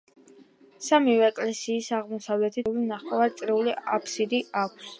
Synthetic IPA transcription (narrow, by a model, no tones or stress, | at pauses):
samivɛːkʼlɛsiːsaʁmɔsavlɛt̪ʰilinaχʼɔvaɾt̪sʼɾɛuliapʰsid̪iakʷʰs